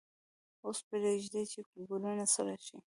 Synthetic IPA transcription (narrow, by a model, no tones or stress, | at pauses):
ospeɾaʒd̪at͡ʃeɡulunasaɾaʃi